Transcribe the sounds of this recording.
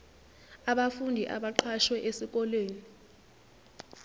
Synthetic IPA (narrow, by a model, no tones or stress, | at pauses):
aɓafundʱiʔa̰ɓaǃʰaʃwɛʔesik̬ʼɔleːni